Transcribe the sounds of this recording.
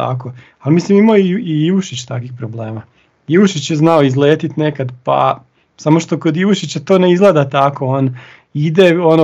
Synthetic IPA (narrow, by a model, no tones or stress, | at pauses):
a̰ko | almislimimaoiiʋuʃit͡ɕt̪a̰kʋixpɾoble̞ːma | iʋuʃit͡ɕjeznaoizleːt̪it̪ne̞kad̪pa̰ | samo̞ʃt̪okod̪iʋuʃit͡ɕat̪o̞ːne̞izɡlˠed̪at̪ako̞on | id̪eono